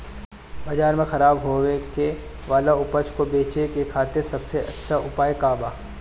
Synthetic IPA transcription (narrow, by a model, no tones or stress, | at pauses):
bɐd͡ʒaːɾmẽxɐɾaːbɦoweke | ʋaːlaʊpət͡ʃʰkobeːt͡ʃekekʰaːt̪ɪɾsɐbseʔɐtːʃʰaʊpaːjkaːbaː